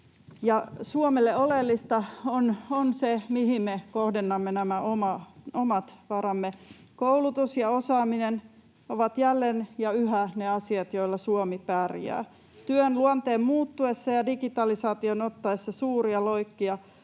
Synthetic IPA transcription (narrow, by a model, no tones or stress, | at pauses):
jɑsuomelːeolelːist̪ɑononsemihimmekohdenːɑmːenæmæʔomɑomɑt̪ʋɑrɑmːe | koulut̪usjɑosɑːminen | oʋɑt̪jælːenjɑyɦæneɑsiɑt̪joilːɑsuomipæːrḭæ̰ː | t̪yønluont̪eːmmuːt̪ːuesːɑjɑdikit̪ɑlisɑːt̪ionot̪ːɑesːɑsuːriɑloikːiɑ